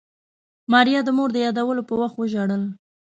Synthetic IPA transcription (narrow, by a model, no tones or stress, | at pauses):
mɑɾijɑd̪əmoɾd̪əjɑd̪awəlopəwaxt̪wəʒaɽəl